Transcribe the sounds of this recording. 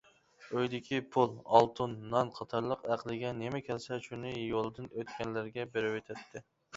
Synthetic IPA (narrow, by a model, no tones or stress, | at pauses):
øjd̪ɪkʲʰipʰulˠɑlˠt̪ʰunːɑnqʰɑt̪ʰɑɾlˠəqæqlˠɪɡʲɛnemɛkʲʰɛlsɛʃunɪjolˠɨd̪ɨnøt̪kʲɛnlɪɾɡʲɛbeɾɪwet̪ʰɛt̪ʰːɪ